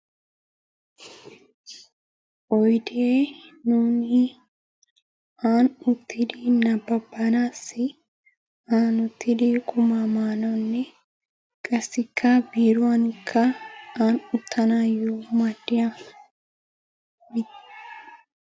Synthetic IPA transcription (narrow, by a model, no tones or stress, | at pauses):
ʔɔjd̪eːnuːni | aːnʊt̪ːɪd̪iːnɐbːɐbːɐnaːsɪ | aːnʊt̪ːɪd̪ikʼʊmamaːnɔnːɛ | kʼɐsːɪkʰːɐbiːɾʊɐnɪkʰːɐaːnʊt̪ʰːɐnɐjuːmɐd̪ɪjɐ | t̪